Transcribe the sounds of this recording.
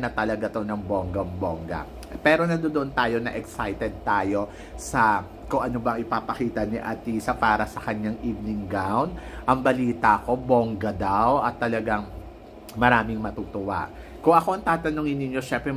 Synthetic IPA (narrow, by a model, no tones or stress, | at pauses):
nɐt̪ɐlɐɡat̪onɐŋboŋɡɐŋboŋɡɐ̰ | pɛːɾo̞nɐd̪od̪oʔont̪aːjo̞nɐ̰ʔɛksajt̪ɛd̪̚t̪aːjo̞ | sɐ | kʊŋʔɐnobɐŋɪpapɐkiːt̪ɐniʔɐt̪isɐpaːɾɐsɐkɐɲaŋʔiːvnɪŋɡɾawnd̪̚ʔɐŋbɐliːt̪ɐɐko̞boŋɡɐd̪awʔɐt̪ːɐlɐɡaŋ | mɐɾaːmɪŋmɐt̪uːt̪ʊwa̰ʔ | kʊŋʔɐko̞ɐŋt̪aːt̪ɐnʊŋɪnːɪɲjo̞ʃɛmpɾɛ